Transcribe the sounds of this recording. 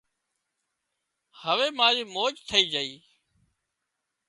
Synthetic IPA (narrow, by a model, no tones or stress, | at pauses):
həʋeːmãːɾiːmoːd͡ʒt̪ʰəiːd͡ʒəiː